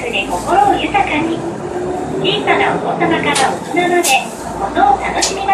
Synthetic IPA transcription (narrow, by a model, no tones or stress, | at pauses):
ɯ̟ɾeko̞ko̞ɾoːjɯ̟t̪akaɲ̟i | dʲisanao̰koːsamakaɾaot̪onanad̪e̞ | konoːt̪ano̞ɕimʲima